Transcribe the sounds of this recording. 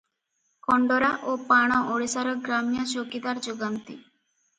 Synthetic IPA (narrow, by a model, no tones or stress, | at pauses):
kɔɳɖɔɾaʔopaɽ̃ɔʔoɽisaɾɔɡɾamjasokid̪aɾd͡ʒuɡant̪i